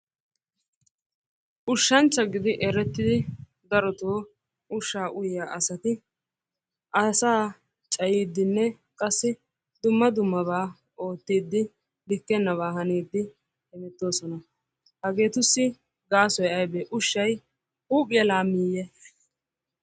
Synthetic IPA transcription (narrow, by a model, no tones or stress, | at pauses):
ʔʊʃːɐnt͡ʃːɐɡɪd̪ɪʔɛɾɛt̪ːɪd̪ɪ | d̪ɐɾɔt̪oː | ʔʊʃːaːʔʊjjaːʔɐsɐt̪ɪ | ʔɐsaː | t͡ʃʼɐjiːd̪ːɪnːɛ | kʼɐsːɪ | d̪ʊmːɐd̪ʊmːɐβaː | o̞ːt̪ːiːd̪ːɪ | lɪkːɛnːɐβaːɦɐniːd̪ːɪ | hɛmɛt̪ːo̞ːsɔnɐ | hɐɡe̞ːt̪ʊsːɪ | ɡaːsɔjɐjbeːʔʊʃːɐj | uːkʼɪɛlaːmiːjɛ